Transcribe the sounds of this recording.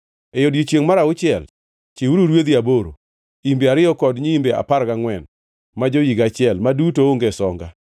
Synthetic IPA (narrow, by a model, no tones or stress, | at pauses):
ejodjot͡ʃjeŋmaɾaʊt͡ʃɪɛl | t͡ʃeuɾuɾwed̪iaboɾo̰ | imbeaɾɪɔkɔdɲiimbea̰paɾɡaŋwɛn | mad͡ʒojiɡat͡ʃɪɛlmadutooŋɡesɔŋɡa